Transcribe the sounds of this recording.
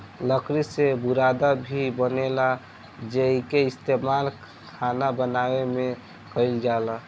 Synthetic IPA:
ləkɾisebuɾad̪abʱibənela | d͡ʒeikeɪst̪emal | kʰanabənawemẽ | kəɪld͡ʒala

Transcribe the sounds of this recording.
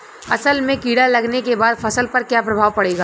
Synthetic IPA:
ɐsəlmẽkiːɽalɐɡnekebaːd̪fʰɐsəlpɐɾkjaːpɾɐbʱaːʋpɐɽeːɡaː

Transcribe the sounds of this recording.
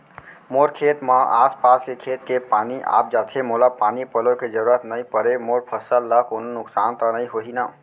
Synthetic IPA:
moɾkʰet̪məaspaskekʰet̪kepaniʔa̰p̚d͡ʒat̪ʰemolapanipəloked͡ʒəɾuɾət̪nəjpəɾemoɾpʰəsəlːəkononʊksant̪ənəiɦoɦina

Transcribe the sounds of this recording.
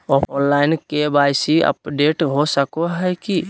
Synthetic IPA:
ɔpʰɔnlaɪnkebajsiə̰pɖeʈɦosəkoɦɛki

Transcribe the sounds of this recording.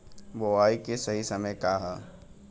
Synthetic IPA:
boaːikesɐɦisɐməjkaɦɛː

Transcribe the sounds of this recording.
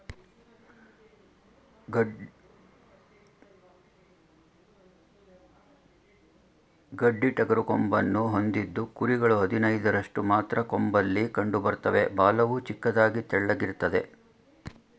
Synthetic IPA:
ɡɐɖːiʈɐɡɐɾukombɐnːuɦo̞nd̪id̪ːukuɾiɡɐɭuɦɐd̪ʱinɐjd̪ɐɾɐʂʈumaːt̪ɾɐkombɐlːikɐɳɖubɐɾt̪ɐʋe̞baːlɐʋut͡ʃikːɐd̪aːɡit̪ɛɭːɐɡiɾt̪ːɐd̪e̞

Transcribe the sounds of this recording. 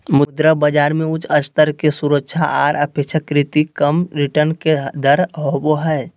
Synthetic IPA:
mʊd̪ɾəbəd͡ʒaːɾmẽʊt͡ʃʰət͡ʃt̪əɾkesuɾəkʃʰaʔaːɾəpekʃəkɾɪt̪ikəmɾɪʈəɾnked̪əɾɦoboɦɛː

